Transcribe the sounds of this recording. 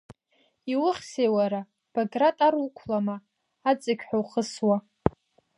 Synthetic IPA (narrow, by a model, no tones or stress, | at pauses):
iwʊχʲsejwaɾa | b̥oɡratʼaɾukʷʰlamaː | t͡sʼɪkʲħʷᶣawχəswa